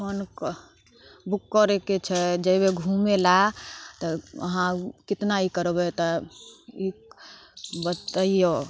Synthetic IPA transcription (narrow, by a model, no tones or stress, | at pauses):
kʰɔn | bukːəɾeket͡ʃʰɛd͡ʒebeɡʱumelat̪ɔə̰ɦãkit̪naikəɾbɛt̪ɔ | i | bət̪əijo